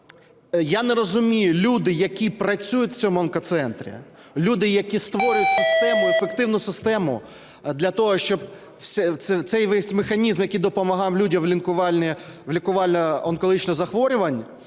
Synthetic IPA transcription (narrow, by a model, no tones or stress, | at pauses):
janɛɾɔzʊmʲijʊlʲud̪ɪjɐkʲipɾɐt͡sʲujʊtʲʋ̥t͡sʲɔmʊɐnkɐt̪sɛnt̪ɾʲḭ | lʲud̪ɪjɐkʲist̪ʋɔɾʲʊjʊtʲsɪst̪ɛmʊefekt̪ɪwnʊsɪst̪ɛmʊ | d̪lʲɐt̪ɔɦɔʃt͡ʃɔb | sʲɛt̪sɛt̪sɛjʋɛsʲmexɐnʲizmjɐkʲijd̪ɔpɔmɐɦɑwlʲudʲɐmʋlʲɪnkʊʋɑlʲnʲɪʋlʲɪkʊʋɑlʲnɐɔnkɔlˠɦit͡ʃnɔzɐxʋɔɾʲʊʋɐnʲ